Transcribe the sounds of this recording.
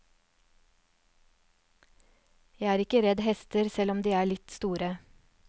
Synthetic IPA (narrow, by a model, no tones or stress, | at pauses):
jæɪæːɾɪkəɾɛd̪hɛst̪əɾsɛlɔmd̪iːæːɭɪt̪st̪uːɾə